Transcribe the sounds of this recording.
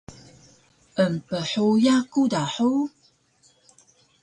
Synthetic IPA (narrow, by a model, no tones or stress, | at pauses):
ʔəmpəħojakudaħu